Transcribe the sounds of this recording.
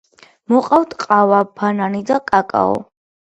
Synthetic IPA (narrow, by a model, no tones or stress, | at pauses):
mɔqʼawt̪ʼqʼavabʰananid̪akʼakʼa̰ɔ̰